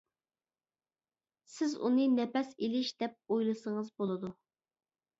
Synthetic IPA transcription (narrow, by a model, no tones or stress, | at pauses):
sɪzṵnɨnɛpɛselɪʃd̪̥ɛp̚ojlˠɨsəŋəzbolˠɨd̪u